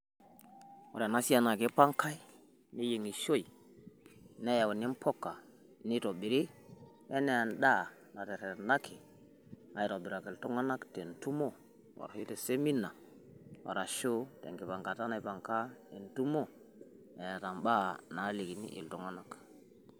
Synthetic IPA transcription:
wo̰˨ɾa˨na˦si˦a˦na˨ke˨˦pa˦ŋkʰa˦i˦ | ni˦je˨ŋi˨ʃo˦i˨ | ne˦ja˨we˨ni˦mpʰo˦kːa˨ | ni˦to˨ɓi˨ɾi˦ | e˦ne˨a˨nɗa˦˨ | na˨te˨ɾe˨ɾna˦kʰi˨ | a˨ji˦ɾo˨bi˨ɾa˨ke˨ltu˦ŋa˦na˦kte˨ntu˦mo˦ | wa̰˨ɾhi˦te˨se˦mi˦na˨ | wa̰˨ɾa˨ʃo˦tḛ˨ŋki˨pa˨ŋka˨ta˦na˦i˦pa˨ŋka˦e˨ntu˦mo˦ | e˨ja˨ta˨mɓa˦na˨˦li˨ki˨nḭ˦ʔḭ˨lto˦ŋa˦na˦k

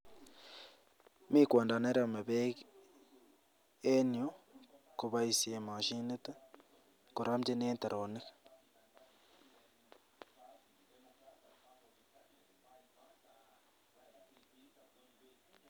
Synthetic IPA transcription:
mi˦kwaː˨nda˨ne˦ɾa˦˨ma˨βe˦k | e˦nio˦ku˨βa˦isi˨e˨ma˨ʃi˦ne˦ta˦ | ku˨ɾa˦mti˦neː˦nte˨ɾʔo˨ni˦kḁ

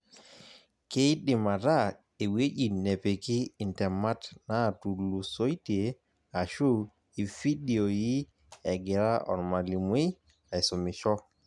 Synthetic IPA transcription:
ke˦i˦ɗɪ˨ma˨ɾa˦˨ | e˨we˦d͡ʒi˨ne˨pe˨kɪ˦i˨ntɛ˨ma˦tna˦˨tu˨lu˨so˦i˦ti˨e˨ | a˨ʃu˦˨ | i˨fi˦di˨o˨ji˦ | ɛ˨ɡɪ˨ɾa˦ʔɔ̰˨nma˨li˨mwe˦˨ | i˨so˨mi˨ʃɔ˦

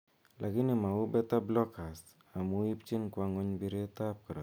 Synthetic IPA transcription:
lʔa˨ki˦ni˨ma˨u˦bɛ˦ta˦blɔ˦ka˨st | a˨mu˦i˦pt͡ʃi˦nkwa˦ŋo˦ɲbi˦ɾe˦ta˦p̚kɔ˨ɾa˨

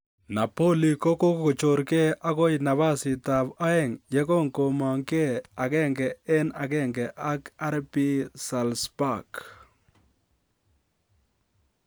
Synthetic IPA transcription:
na˨po˦li˨ko˦ko˦kko˨t͡ʃo˨ɾke˦a˦ko˦jna˨βa˦sɪ˨t̪a˨ba˦ɛ˦˨ŋjɛ˦kɔ˦ŋko˨ma˨ŋke˦a˨ɡɛ˦ŋɡɛ˨ɛ˦na˨ɡɛ˦ŋɡɛ˨ʔa˦ka˦ɾpi˦sa˨lspa˨k

